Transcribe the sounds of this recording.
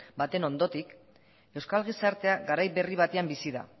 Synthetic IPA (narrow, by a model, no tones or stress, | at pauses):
bat̪e̞no̞nd̪o̞t̪ik | e̞wskalɣ̞isaɾt̪e̞aɣaɾajβe̞riβ̞at̪eambisiða̰